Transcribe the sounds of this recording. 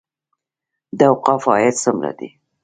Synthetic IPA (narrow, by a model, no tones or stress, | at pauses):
d̪awqɑfɑjat̪səmla̰d̪i